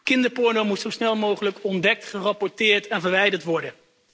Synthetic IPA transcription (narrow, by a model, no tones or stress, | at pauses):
kɪndəɹpʊɹnomutsowsnɛlˠmowχələkɔndɛk̚tχərɑpɔɹtɪːɹtɛnvəɹʋɛjdəɹtʋɔɹdən